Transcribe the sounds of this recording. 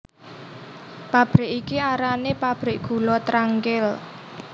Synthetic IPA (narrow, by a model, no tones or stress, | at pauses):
pab̥ɾɪʔikiaɾanepab̥ɾɪʔɡ̥ṳlɔt̪ɾaŋkɪl